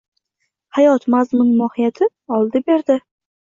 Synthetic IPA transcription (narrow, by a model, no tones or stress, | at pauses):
hajɒt̪mazmɪŋmɒhɪjat̪ʰɪ | ɒlˠd̪ɪbeɾd̪ɪ